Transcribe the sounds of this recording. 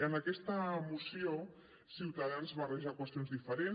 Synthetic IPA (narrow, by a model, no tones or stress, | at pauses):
ənakɛst̪əmusio | siwt̪aðanzβareʒakwəst̪jonzðifəɾen